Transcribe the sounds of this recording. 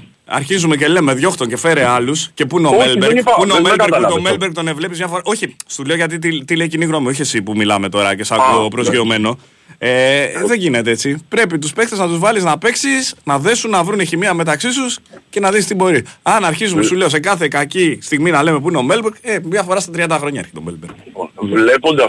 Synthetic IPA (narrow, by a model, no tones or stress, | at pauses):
ɐ̰ɾçizumece̞le̞me̞ðʝo̞xt̪o̞ɲce̞fe̞ɾeɐlusce̞puineomelbeɾkuineomelbeɾk̪omelbeɡ̚t̪o̞ne̞vle̞pizmɲɐfoɾɐʔo̞çist̪ule̞oʝɐt̪̬it̪it̪ileiciniɣno̞mio̞ç̬iesipumilɐme̞t̪o̞ɾɐ̰cesɐopɾozio̞me̞no̞ | eðe̞ɲʝine̞t̪eet͡sipɾe̞p̬it̪uspe̞kt̪eznɐt̪uzvɐliznɐpe̞ksisnɐðe̞sunːɐvɾuneçimiɐme̞t̪ɐksisusce̞nɐðist̪ibo̞ɾiɐnɐɾçizumsule̞ose̞kɐθe̞kacist̪iɣminɐle̞me̞p̬uineo̞me̞lbeɾɡemɲɐfo̞ɾɐst̪ɐt̪ɾiɐnd̪ɐxɾo̞ɲɐeɾçet̪o̞melbeɾɡvvlepond̪ɐ